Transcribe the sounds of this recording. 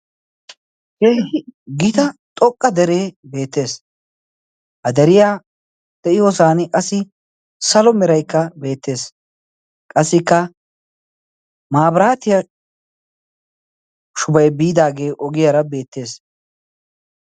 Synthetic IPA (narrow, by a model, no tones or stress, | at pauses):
keːɪɡɪt̪ɐt̪ʼɔkʼːɐd̪ɛɾe̞ːbe̞ːt̪ːe̞ːs | hɐd̪ɛɾɪjaː | d̪̥ɛʔɪjoːsaːnkʼɐsːɪ | sɐlɔmɛɾɐjkːɐbe̞ːt̪ːe̞ːs | kʼɐsːɪkːɐ | maːbɾaːt̪ɪjɐ | ʃʊbɐjbiːd̪aːɡe̞ːʔɔɡɪjɐɾɐbe̞ːt̪ːe̞ːs